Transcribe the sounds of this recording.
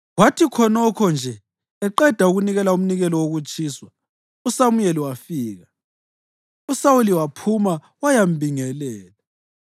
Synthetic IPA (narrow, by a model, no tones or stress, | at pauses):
watʰikʰɔnɔkʰɔnd͡ʒʱɛ | ɛǃɛd̥ʱauɣuniɣɛlaum̩niɣɛlɔwoɣut͡ʃʼʰiːswa | usamujɛliwafiːɣa | usawuliwapʰuma | wajam̩bʱiŋɛlɛːla